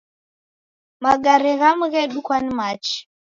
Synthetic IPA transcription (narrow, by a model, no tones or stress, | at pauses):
maɡaɾɛɣamuɣɛɗukwanimat͡ʃi̥